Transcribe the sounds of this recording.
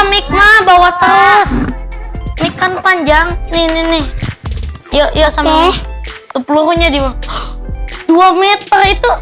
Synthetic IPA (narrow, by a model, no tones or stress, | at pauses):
amɪk̚mabawat̪as | mikanpaɲd͡ʒaŋnɪhnɪnɪh | jaʔjasamat̪upuluɦuɲadima | d̥uamɛt̪ərit̪u